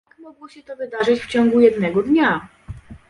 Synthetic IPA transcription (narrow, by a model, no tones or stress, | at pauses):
jakmɔɡwɔɕɛt̪ɔvɘd̪aʐɘt͡ɕft͡ɕɔŋɡujɛd̪nɛɡɔd̪ɲa